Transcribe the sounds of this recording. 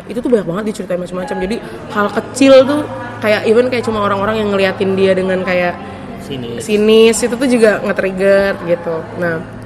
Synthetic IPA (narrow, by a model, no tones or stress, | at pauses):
it̪ut̪ʊhbaɲak̚baŋət̪̚dit͡ʃəɾit̪aɪnmat͡ʃamːat͡ʃamd͡ʒadi | halkət͡ʃɪlt̪̬ʊ | kajaʔivənkajaʔt͡ʃumaoɾaŋoɾaŋjaŋːəliɦat̪ɪndiadəŋankajaʔ | sinɪsit̪ut̪ud͡ʒuɡaŋət̪ɾiɡərɡit̪unah